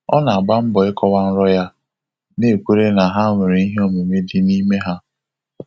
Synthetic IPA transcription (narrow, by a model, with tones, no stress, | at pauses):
ɔ̰˦na˨a˨ɡ͡ba˦m̩˦bɔ˨ɪ˦kɔ˦wa˦n̩˦ɾɔ˦ja˦ | ne˦˨kʷu˦ɾe˦na˨ɦa˦mɪ˨ɾi˨˦i˦ɦe˦o˨me˨me˦dɪ˦ni˦me˦ɦa˦